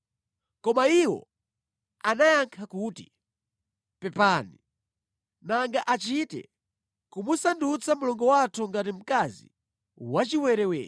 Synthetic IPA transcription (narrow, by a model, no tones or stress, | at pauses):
kɔmaiwɔ̰ | anajaŋkʰakuːtḭ | pɛpani | naŋɡaʔat͡ʃitɛ̰ | kumusandut͡samulɔŋɡɔwatʰuŋɡatim̩kazḭ | wat͡ʃiwɛɾɛwɛ̰ː